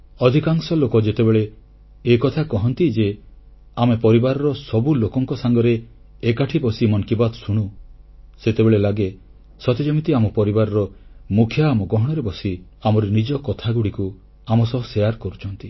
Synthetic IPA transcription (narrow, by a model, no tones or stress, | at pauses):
ɔd̪ʱikaŋsɔlokɔd͡ʒet̪ebeɭeː | kɔt̪ʰakɔɦɔnt̪id͡ʒe | amepɔɾibaɾɔɾɔsɔbulokɔŋkɔsaŋɡɔɾeː | kaʈʰibɔsimɔŋkibad̪ɔsuɽ̃u | set̪ebeɭelaɡe | sɔt̪ed͡ʒɔmit̪iamɔpɔɾibaɾɔɾɔmukʰjaːmɔɡɔɦɔɽ̃ɔɾebɔsi | amɔɾenid͡ʒɔkɔt̪ʰaɡuɽiku | amɔsɔɦɔsejaɾkɔɾut͡ʃʰɔnt̪i